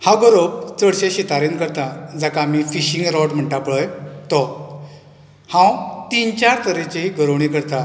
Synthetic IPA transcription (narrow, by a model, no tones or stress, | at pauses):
hãɡəɾob̚t͡səɽɕeɕit̪aɾenkəɾt̪ãd͡zakaːmifiɕĩŋɡɾɔʈm̤əɳʈapɭəjt̪ɔ | hãwt̪int͡ɕaɾt̪əɾet͡ɕeɦiɡʱəɾəwɽ̃ikəɾt̪ã